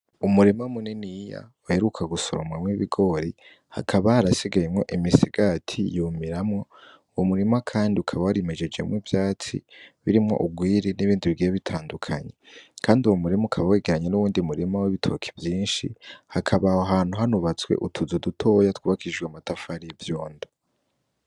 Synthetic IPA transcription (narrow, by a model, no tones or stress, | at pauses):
umuɾimamuninija̰waheɾukʰaɡuso̰ɾomwamŋiβiɡo̞ɾi | ha̰kʰaβahaɾasiɡajemŋo̞̰ʔimisiɡ̥atʰḭjuːmiɾamŋo̞ | womuɾimakʰaːndiukʰaβawaɾimed͡ʒe̞d͡ʒɡḛmwiːvjaːt͡sḭβiɾimŋo̞̰ʔuɡwiːɾeniβiːndiβiɡijeβitʰaːndukʰa̰ɲekʰaːndiuwomuɾimuukʰaβaweːɡeɾaɲenuβuːndiumuɾimawiβitʰo̞ːkʰe̥vjiːnʃḭhakʰaβahoɦaːn̥huɦanuβat͡swe̞̰ʔutʰuzudutʰo̞ːjatwuːβakʰid͡ʒɡweamatafaɾivjoːndo